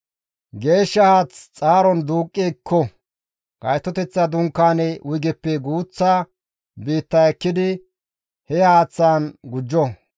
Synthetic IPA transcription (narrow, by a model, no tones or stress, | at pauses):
ɡe̞ːʃːɐhaːt͡st͡sʼaːɾɔnd̪uːkʼːiːkːɔ | ɡ̥ɐjt̪ːɔt̪ɛt͡sːɐd̪ʊŋkːaːnɛwʔʊjɡɛpːɛɡuːt͡sːaː | biːt̪ːɐɛkːɪd̪ɪ | hɛhaːt͡sːaːnɡʊd͡ʒːɔ